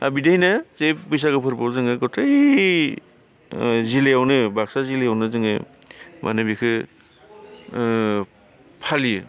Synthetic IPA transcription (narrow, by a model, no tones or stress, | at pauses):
a̰bidajnazejpɯjs̬akɯpʰɯɾpawzɯŋɯɡɔtʰa | zilejawnɯbak̚sazilejawnɯzɯŋɯ̰ | mʔa̰nɯbikʰɯ | pʰalijɯ